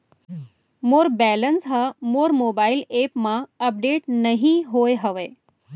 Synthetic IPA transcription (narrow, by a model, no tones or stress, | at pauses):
moːɾbɛːlənsɦəmoːɾmoːbaːɪleːpmãəp̚ɖeːʈnəɦĩɦoeɦəʋeː